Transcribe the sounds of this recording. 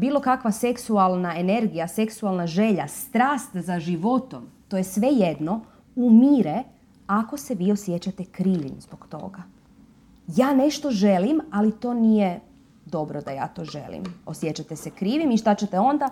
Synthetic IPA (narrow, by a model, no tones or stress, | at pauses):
biːlˠo̞kakʋase̞ksualˠnae̞ne̞ɾɡijase̞ksualˠnaʒe̞ʎast̪ɾaːst̪zaʒiʋo̞t̪o̞mt̪o̞jesʋe̞jed̪no̞ | umiːɾe | ako̞se̞ʋiːo̞sjet͡ɕat̪ekɾiːʋimzboɡt̪o̞̰ɡa | jaːne̞ʃt̪o̞ʒe̞limalit̪o̞ːnije | d̪o̞bɾod̪aja̰ːt̪o̞ːʒe̞̰lḭmo̞sjet͡ɕat̪esekɾiːʋimiʃt̪at͡ɕet̪eo̞nd̪a